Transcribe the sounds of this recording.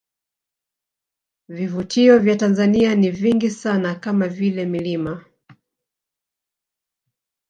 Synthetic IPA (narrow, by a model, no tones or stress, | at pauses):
vivutʰiɔvjatanzanianiviŋɡisanakamavilɛmilima